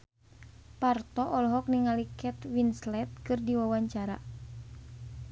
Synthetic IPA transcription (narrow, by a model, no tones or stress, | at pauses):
part̪ɔʔɔlɔɦɔk̚niŋalikɛt̪winslɛt̪̚kɨrdiwawaɲt͡ʃaɾa̰